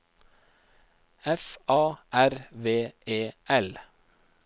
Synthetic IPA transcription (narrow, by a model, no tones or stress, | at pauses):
ɛfʔɑːʔæɾʋeːʔeːʔɛl